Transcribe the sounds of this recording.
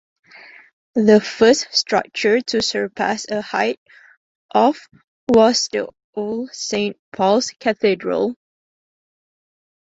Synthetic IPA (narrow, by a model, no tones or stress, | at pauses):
ðəfɜsstɹʌ̰k̚t͡ʃə˞tʰusə˞pʰæ̰səha̰ɪt̚ | ʔɔf | wɔsdə̰ | olsẽnt̚pʰɔlskʰɛθidɹə̰l